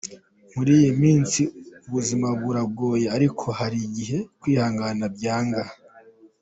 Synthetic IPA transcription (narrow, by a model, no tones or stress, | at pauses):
muɾiːjimiːnsiuβuzimabɡuɾab̚ɡo̞ːjeaɾikʰo̞haɾiɟiɦe̞kwiːhaːŋɡanab̚ɟaːŋɡah